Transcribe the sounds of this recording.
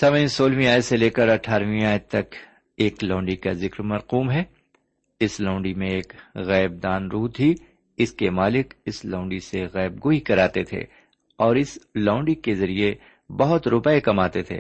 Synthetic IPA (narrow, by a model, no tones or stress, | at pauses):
sɐməĩsoːlʋĩaːjseleːkəɾɐʈʰaːɾʋĩaːj̪̚t̪ɐk | eːklãːɳɖikazɪkɾmɐɾquːmɦɛː | ɪslãʊ̃ɳɖimẽeːkɣɛːb̚d̪aːnɾuːt̪ɦi | ɪskemaːlɪkɪslãʊ̃ɳɖiseɣɛːb̚ɡoːikɐɾaːt̪et̪ʰḛː | ɔːɾɪslãʊ̃ɳɖikezɐɾie | bɐɦʊt̪ɾʊpɛekɐmaːt̪et̪ʰḛː